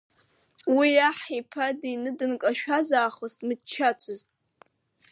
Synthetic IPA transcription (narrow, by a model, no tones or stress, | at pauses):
wiaħipʰadinɨdɨnkʼaʃᶣazaːχostʼmɨt͡ʃʰːat͡ʃʷʰɨztʼ